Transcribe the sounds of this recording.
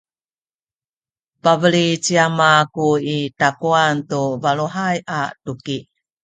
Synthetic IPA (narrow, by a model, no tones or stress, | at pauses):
pavəɭit͡ɕiamakuitakuantuvaɭuɦajʔa̰tuki